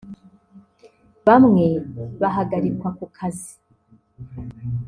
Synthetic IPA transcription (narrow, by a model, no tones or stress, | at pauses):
βamŋe̞βaɦaɡaɾikwakukʰazi